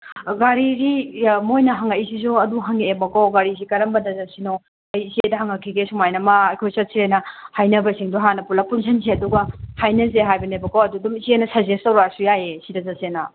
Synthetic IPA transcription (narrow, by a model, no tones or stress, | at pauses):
ɡaɾiɾimojnɐɦaŋaʔisis̬uɐduɦaŋeːbɐkawɡaɾis̬ikɐɾɐmbɐdɐzasino | ɐjisedɐɦaŋɐkʰːiɡesumajnɐmaːjkʰojsɐtsʰenɐhajnɐbɐsiŋduɦanɐpulɐpunsʰɐns̬ʰeɐduɡɐhajnɐs̬eɦajbɐnebɐkowɐdudumizienɐsazestɐwɾasujajesidɐzasena